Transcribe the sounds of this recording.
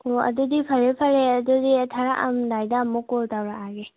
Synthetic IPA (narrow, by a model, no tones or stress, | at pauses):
oɐ̰dudipʰɐɾepʰɐɾeɐdudiɐtʰaɾaʔɐ̰mdajdamːukoltawɾaaɡe